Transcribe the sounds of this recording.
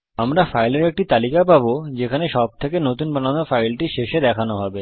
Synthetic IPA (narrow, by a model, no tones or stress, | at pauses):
amɾafajleɾek̚ʈit̪alikapabod͡ʑekʰaneʃɔb̚t̪ʰekenot̪unpananofajlʈiʃeʃed̪ɛkʰanoɦɔbe